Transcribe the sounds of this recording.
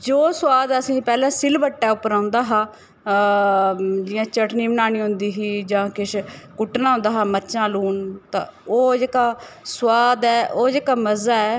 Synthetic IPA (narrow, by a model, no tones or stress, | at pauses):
d͡ʒoːswaːd̪əsĩːpɛːlɛ̃ːsɪlbəʈːɛːʊpɾãːnd̪aːɦãː | d͡ʒɪːjãːt͡ʃəʈniːbənaːñiːɦʊnd̪iːɦiːd͡ʒãːkɪʃkʊʈnãːʊ̃ːnd̪aːɦaːmətːʃãːluːnt̪ã̰ːoːd͡ʒeːkaːswaːd̪ɛːʔoːd͡ʒeːkaːməzaːɛː